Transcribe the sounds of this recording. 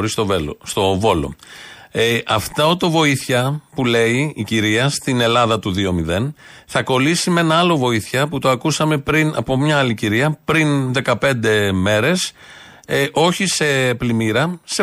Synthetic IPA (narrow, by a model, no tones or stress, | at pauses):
ɾist̪o̞velo̰st̪o̞vo̞lo̞̰ | ɐft̪ɐot̪o̞vo̞iθçɐpule̞iiciɾiɐst̪ine̞lɐðɐt̪uðio̞miðe̞nθɐko̞lisime̞nɐɐlo̞vo̞iθçɐput̪o̞ɐkusɐme̞pɾinɐ̰po̞mɲɐɐliciɾiɐpɾinðe̞kɐpe̞nd̪e̞me̞ɾe̞s | ʔo̞çise̞plimiɾɐse